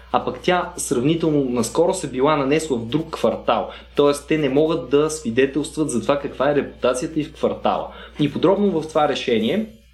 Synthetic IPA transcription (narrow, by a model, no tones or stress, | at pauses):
ɐpɐkt̪ʲasɾɐvnit̪ɛlˠnonɐskɔɾosɛbilˠanɐnɛsvɐvd̪ɾukːvɐɾt̪alˠ | t̪ɔɛst̪ɛnɛmɔɡət̪d̪ɐsvid̪ɛt̪ɛlˠst̪vət̪zɐt̪ovakɐkvaɛɾɛpu̥t̪at̪sijət̪əifkvɐɾt̪a̰lˠə̰ipod̪ɾɔbnovɐft̪ovaɾɛʃɛniɛ